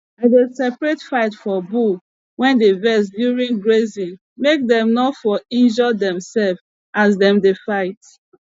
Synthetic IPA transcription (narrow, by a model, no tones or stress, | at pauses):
aɪdesɛpɹetfaɪtfɔbu | wɛ̃ndevɛs̬djuɹĩŋɡɹezĩn | mek̚dɛ̃mnɔtfɔĩnd͡ʒɔdɛ̃msɛlf | asdɛ̃mdefaɪt